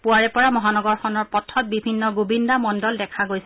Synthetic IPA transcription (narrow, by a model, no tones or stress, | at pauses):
puaɹɛpɔɹamɔɦanɔɡɔɹxɔnɔɹpɔtʰɔt̚bibʱinːɔɡobindamɔndɔldɛkʰaɡojsɛ